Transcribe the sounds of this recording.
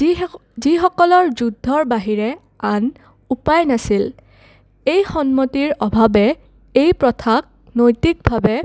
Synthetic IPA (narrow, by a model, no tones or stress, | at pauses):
zixɔkɔlɔɹzudʱːɔɹbaɦiɹɛ | an | upajnasil | ejxɔnmɔtiɹɔbʱabɛ | ejpɹɔtʰak̚ | nojtik̚bʱabɛ